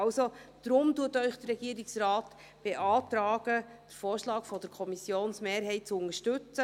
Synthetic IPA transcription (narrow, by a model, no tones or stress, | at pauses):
ɑlsod̥ɾʊmtuːətœʏχd̥ərɾɛɡ̥iːəɾɪksrɑːt | b̥eʔɑːt̪ɾɑːɡ̥əd̥əɾfoːrʃlɑːkfɔdəɾkʰɔmisjoːnsmeːɾɦɛɪt̚t͡sʊŋəʃtɵt͡sə